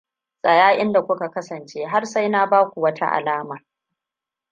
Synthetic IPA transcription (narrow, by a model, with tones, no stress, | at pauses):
sʼɐ˨jaː˦ʔɪ˦nda˨kʷʊ˦ka˨kɐ˦sɐ˨nt͡ʃeː˦ɦa˦rsa˦jnaː˦baː˦kʷu˨wɐ˦tʰa̰˦ʔa̰˨laː˦maː˨